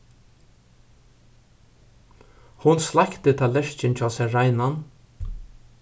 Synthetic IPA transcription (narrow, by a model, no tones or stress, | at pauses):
hʊnslakt̪ət̪ʰaːlɛʃt͡ʃɪnt͡ʃʰaːsɛɾajnan